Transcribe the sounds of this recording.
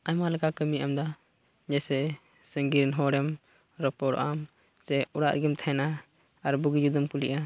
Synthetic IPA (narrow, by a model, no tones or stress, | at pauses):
ajmalɛkakəmiʔamd̪a | d͡ʒɛsɛ | səŋɡiɾnɦɔɾɛm | ɾɔpɔɽɔ̰ʔam | t͡ʃɛuɽa̰ʔɾɡimt̪ʰaɛna | aɾbuɡid͡ʒud̪ɔmkuliʔa